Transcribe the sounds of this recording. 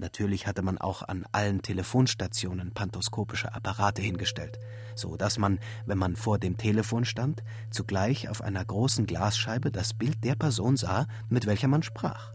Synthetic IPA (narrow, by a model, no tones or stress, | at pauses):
nʔatʰyːɐlɪçhatəmanʔa̰ʊxa̰nʔa̰ləntʰeləfoːnʃtat͡sjoːnənpʰantɔskʰoːpɪʃə̰ʔa̰paʁaːtəhɪnɡəʃtɛ̰lt | z̥o̰ːd̥asman | vɛnmanfoːɐdeːmtʰeːləfoːnʃtant | t͡suɡlaɪça̰ʊfʔa̰ɪnɐɡʁoːsn̩ɡlaːsʃaɪbədasb̥ɪlt̚d̥eːɐpʰɛɐzoːnzaː | mɪtv̥ɛlçɐmanʃpʁ̥a̰ːχ